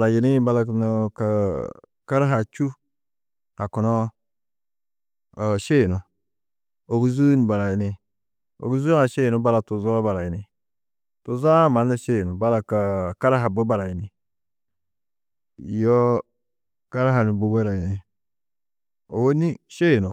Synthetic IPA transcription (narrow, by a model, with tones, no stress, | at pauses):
la˨ji˨ni˦ba˦la˨no˨ka˨ | ka˦ɾa˦ɦa˨t͡ʃu˦ | a˨kɔ˨nɔ˦˨ | ʃe˦˨nu˨ | o˨ɡu˦zu˦n˨ba˨ɾa˨ji˨ni˨ | o̰˨ɡu˦zu˦a˨ʃe˦˨nu˦ba˦la˨tu˨zɔ˦ba˨ɾa˨ji˨ni˨ | tu˨za˦ma˨na˦ʃe˦jnu˨ba˦la˨ka˨ka˦ɾa˦ɦa˨bo˦ba˨ɾa˨ji˨ni˨ | jɔ˦ | ka˦ɾa˦ɦa˨ni˨bo˨be˦ɾa˨ji˨ne˨ | o˨wo˦ni˦ʃe˦˨no˨